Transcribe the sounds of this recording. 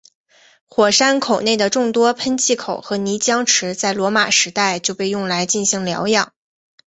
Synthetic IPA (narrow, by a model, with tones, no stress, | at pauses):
xwɔ˨˩ʂa˥nkʰo˨˩ʊne˥˩ɪd̪ə˩ʈ͡ʂʊ˥˩ŋt̪wɔ˥pʰə˥nt͡ɕʰi˥˩kʰo˨˩ʊxɤ˧˥ni˧˥t͡ɕjɑ˥ŋʈ͡ʂʰɻ̩˧˥t͡sa˥˩ɪlwɔ˧˥ma˨˩ʂɻ̩˧˥t̪a˥˧ɪt͡ɕjo˥˧ʊpe˥˧ɪjʊ˥˩ŋla˧˥ɪt͡ɕi˥˩nɕi˧˥ŋljɑ̰˧˥ʊjɑ˨˩˦ŋ